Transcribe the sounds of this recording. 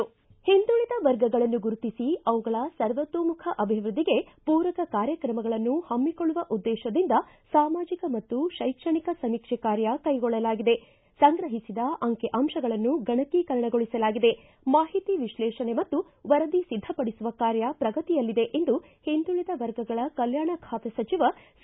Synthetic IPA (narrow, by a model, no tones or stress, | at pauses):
hind̪uɭid̪ɐʋɐɾɡɐɡɐɭɐnːuɡuɾut̪isiɐʋuɡɐɭɐsɐɾʋɐt̪ʋoːmukʰɐʔɐbʱiʋɾud̪ʱːiɡe̞puːɾɐkɐkaːɾjɐkɾɐmɐɡɐɭɐnːuhɐmːikoɭuʋɐʔud̪ːɛːʃɐd̪ind̪ɐ | saːmaːd͡ʒikɐmɐt̪ːuʃɐjkʂɐɳikɐsɐmiːkʂɛkaːɾjɐkɐjɡɔɭːɐlaːɡid̪e̞ | sɐŋɡɾɐɦisid̪ɐʔɐŋkeʔɐmʃɐɡɐɭɐnːuɡɐɳɐkikɐɾɐɳɐɡoɭisɐlaːɡid̪e̞ | maːɦit̪iʋiʃlɛːʃɐne̞mɐt̪ːu | ʋɐɾɐd̪isid̪ʱːɐpɐɽisuʋɐkaːɾjɐpɾɐɡɐt̪ijɐlːid̪e̞ʔe̞nd̪u | hind̪ulid̪ɐʋɐɾɡɐɡɐɭɐkɐljaːɳɐkʰaːt̪ɐsɐt͡ʃiʋɐ